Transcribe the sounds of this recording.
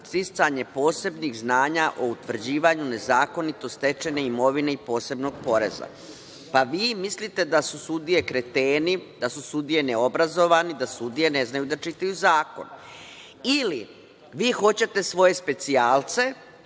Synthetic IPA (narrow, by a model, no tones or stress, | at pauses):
t̪ist̪saɲe̞po̞ːse̞bniɣznaːɲaʔo̞ut̪ʋr̩d͡ʑiːʋaɲune̞zaːko̞nit̪o̞st̪e̞t͡ʃe̞ne̞imo̞ʋine̞ipo̞ːse̞bno̞ɡ̚po̞ɾe̞̰za̰ | paʋiːmislit̪e̞d̪asusud̪ije̞kɾe̞t̪eːnid̪asusud̪ije̞neo̞bɾazo̞ʋanid̪asud̪ije̞ne̞znajud̪at͡ʃit̪ajuzaːko̞̰n | ili | ʋiːxo̞t͡ɕe̞t̪e̞sʋo̞je̞spe̞t̪siaːlt̪se̞